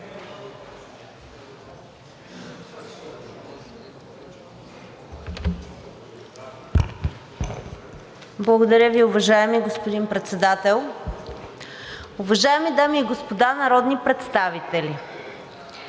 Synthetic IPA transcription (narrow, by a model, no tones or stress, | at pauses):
blˠɐɡod̪ɐɾʲjəviʊvɐʒaɛmiɡospod̪inpɾɛt̪sɛd̪at̪ɛlˠ | ʊvɐʒaɛmid̪amiːɡospod̪anɐɾɔd̪nipɾɛt̪st̪avit̪ɛlʲi